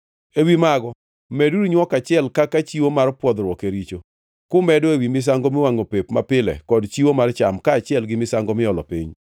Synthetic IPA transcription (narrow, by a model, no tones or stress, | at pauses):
ewimaɡɔ | mɛduɾiɲwɔkat͡ʃɪɛlkakat͡ʃiwomarpwɔd̪ɾwɔkeɾit͡ʃo | kʊmɛdoewimɪs̬aŋɡomɪwaŋopepma̰pɪlɛ̰kɔdt͡ʃiwomart͡ʃamkaːt͡ʃɪɛlɡɪmɪsaŋɡɔmɪɔlɔ̰pḭɲ